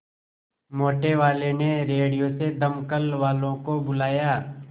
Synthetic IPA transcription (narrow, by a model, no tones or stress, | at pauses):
moːʈeʋaːleneɾeːɽijosed̪əmkəlʋaːlõkobʊlaːjaː